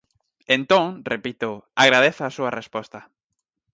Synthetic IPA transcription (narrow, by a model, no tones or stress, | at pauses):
ent̪õŋrepit̪oaɣɾaðeθaːsuɐrespost̪a